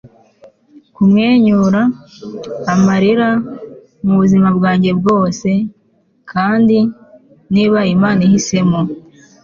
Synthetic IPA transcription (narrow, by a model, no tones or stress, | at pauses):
kumŋeːɲuɾaː | maɾiɾa | muβuzimabɡaːɲɟe̞b̚ɡo̞ːse̞ | kʰaːndi | niːβajimaːnihise̞mo